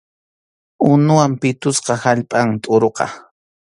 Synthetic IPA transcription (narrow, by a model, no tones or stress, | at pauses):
ʊnʊwampɪt̪ʊsqɑhaʎpʼaŋt̪ʼʊɾoqɑ̰